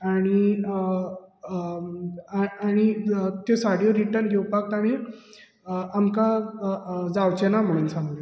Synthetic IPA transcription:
aɽ̃i | aɽ̃it̪esaɽjoɾiʈəɾnɡʱewpak̚t̪am̃i | amka | d͡zawt͡ɕenam̤əɽ̃uːnsãŋɡle

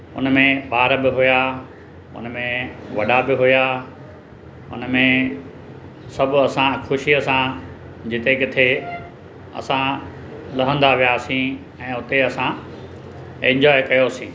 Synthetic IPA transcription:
ʊ̰nmẽɓaːɾbɪɦʊja | ʊ̰nmẽʋɐɗabɪɦʊja | ʊ̰nmẽ | sɐbʱɐsãxʰʊʃiəsã | d͡ʑɪt̪ekɪt̪ʰe | ɐ̰sã | lɐɦə̃nd̪aʋijaːsĩː | ɛ̃ːɦʊt̪eɐsã | ɛ̃ɲd͡ʑɔːekɐjosĩː

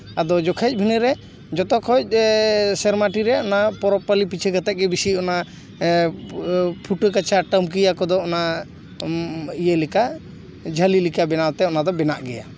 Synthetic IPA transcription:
ad̪ɔd͡ʒɔkʰac̚ˀbʱinəɾɛ | d͡ʒɔt̪ɔkʰɔc̚sɛɾmaʈiɾɛɔnapɔɾɔpalipit͡ʃʰəɡat̪ɛʔ̚ɡɛbisiɔna | pʰuʈəkat͡ʃaʈəmk̬ijakɔd̪ɔɔna | ijəlɛka | d͡ʒʱəlilikabɛnawt̪ɛɔnad̪ɔbɛnaʔɡɛja̰

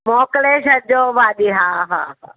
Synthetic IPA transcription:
moːkleːʃɐɾd͡ʒoːʋaːɗiːɦaːɦa̰ːɦa̰ː

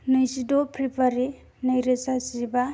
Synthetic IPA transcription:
nɯjsidopʰɾipʰaɾi | najɾesasiba

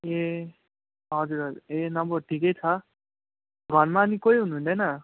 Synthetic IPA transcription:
e | ɦʌd͡zuɾɦʌd͡zuɾenʌbʌʈʰikʌjt͡sʰʌ | ɡʱʌrmaːnikojɦunuɦund̪ʌjnʌ

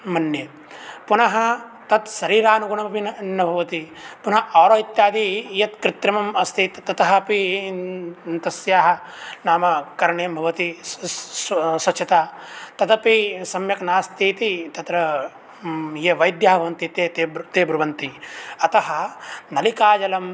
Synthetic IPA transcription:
mɐnje | punɐɦɐ | t̪ɐt̪ʃɐɾiːɾaːnuɡuɳɐmɐpinnɐbʱɐʋɐt̪i | punɐʔaːɾoːit̪jaːd̪ijɐt̪kɾɪt̪ɾɐmɐmɐst̪ʰit̪t̪ːɐt̪ɐɦɐpi | nt̪ɐsjaːɦɐnaːmɐkɐɾɳeːmbʱɐʋɐt̪i | sɐt͡ʃʰɐt̪aːt̪ɐt̪ɐpisɐmjɐknaːst̪ʰiːt̪it̪ɐt̪ɾɐ | jeʋɐjd̪jɐɦɐɐʋɐnt̪it̪eːt̪et̪eːbɾuʋɐnt̪iɐt̪ɐɦɐnɐlikaːd͡ʒɐlɐm

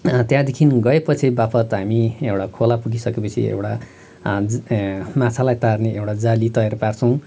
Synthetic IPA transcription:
t̪jãd̪ekʰinɡʌepʌt͡sʰibapʰʌt̪ɦamiewɽakʰolapuɡisʌkepʌt͡sʰḭḛwʈa | mat͡sʰalajt̪arneʔewʈad͡zalit̪ʌjɾʌpart͡sʰʌw̃

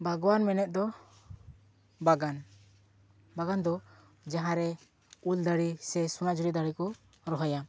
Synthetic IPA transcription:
bʱaɡɔwanmɛnɛt̪̚ˀd̪ɔ | baɡan | baɡand̪ɔ | d͡ʒaɦãɾɛ | uld̪aɽisɛsunad͡ʒuɾid̪aɽikɔ | ɾɔɦɔja

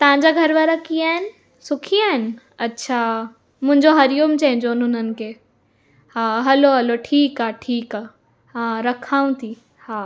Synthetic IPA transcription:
t̪ɐʋ̤ãɲd͡ʑaɡʱɐɾʋaːɾakijaːɦɪnɪ̆ | sʊkʰiaːɦɪnɪ̆ | ɐtːɕʰa | mʊ̃ɦɪ̃ɲd͡ʑoɦɐɾijumt͡ɕɐ̃ɦɪ̃ɲd͡ʑoʊnʊn̤ənɪ̆kʰeː | haːɦɐloɦɐloʈʰiːkaːʈʰiːkaː | haːɾɐkʰaːũt̪ʰi | haː

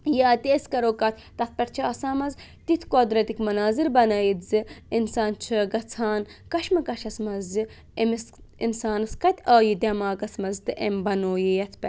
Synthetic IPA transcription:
jaːt̪eːskɐɾoːkɐt̪ʰt̪ɐt̪̚pʲɐɾt͡ʃʰaːsaːmɐz | t̪it̪ʰkod̪ɾɐt̪ikmɐnaːziɾbɐnɐjit̪zɨinsaːnt͡ʃʰəːɡɐt͡sʰaːnkɐʃmɐkɐʃɐsmɐzɨ | emisinsaːnɐskɐt̪ʲaːjid̪ʲɐmaːkɐsmɐzt̪ɨʔembɐnoːjijɐt̪ʰpɛ

